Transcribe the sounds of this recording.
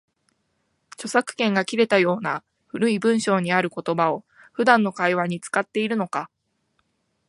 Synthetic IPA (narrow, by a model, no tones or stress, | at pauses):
t͡ɕo̞sakɯ̟̥kẽ̞ŋɡakʲiɾe̞t̪ajo̞ːna | ɸɯ̟ɾɯ̟ibɯ̟̃ɰ̃ɕo̞ːɲ̟iaɾɯ̟ko̞t̪o̞bao̞ | ɸɯ̟d̪ãnːo̞kaiβaɲ̟it͡sɨ̥kat̪ːe̞iɾɯ̟no̞ka